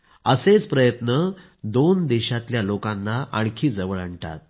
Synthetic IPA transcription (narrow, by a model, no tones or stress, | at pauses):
əset͡spɾəjət̪nə | d̪ond̪iɕat̪ljalokanːaʔaɽkʰiːd͡zəʋəɭəɳʈa̰t̪̚